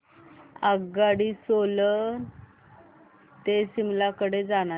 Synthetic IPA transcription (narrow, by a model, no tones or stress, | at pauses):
aɡaɽiːsolən | t̪esimlakəɽed͡zana